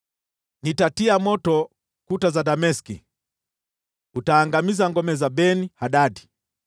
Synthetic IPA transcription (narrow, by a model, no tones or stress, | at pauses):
nitatiamɔtɔ | kutazadamɛskḭ | utaːŋɡamizaŋɡɔmɛzabɛnihaɗadi